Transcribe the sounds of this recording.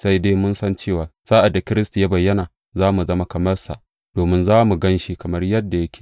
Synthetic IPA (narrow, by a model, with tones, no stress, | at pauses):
sa˦jde˦mʊ˦nsɐ˦nt͡ʃeː˦˨waː˨saː˦ʔa˨dːa˨kʲɪ˦ɾɪ˦sta˨ja˦bɐ˨jːɐ˦naː˨ | zaː˦mu˨zɐ˦ma˦kɐ˨mɐ˦rsa̰˨ʔ | d̥oː˨mɪ˦nzaː˦mu˨ɡɐ˦nʃi˦kɐ˨mɐ˦rjɐ˦dːa˨ja˦kʲe̥ː˨